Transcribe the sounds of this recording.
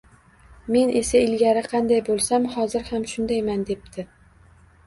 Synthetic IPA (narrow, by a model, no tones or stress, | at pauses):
me̞nʔe̞saɪlɡʲaɾɪqʰɑnd̪ajbolˠsamhɒzɪɾhamʃʊnd̪ajmand̪e̞p̚t̪ʰɪ